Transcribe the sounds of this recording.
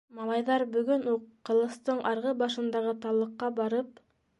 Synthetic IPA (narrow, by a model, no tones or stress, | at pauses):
mɑlˠɑjðɑɾbʉɡɵnuqːɤ̆lˠɤ̆st̪ɤɴʔɑɾʁɤbɑʃɤ̆nd̪ɑʁɤt̪ɑlˠɤ̆qːɑbɑɾɤp̚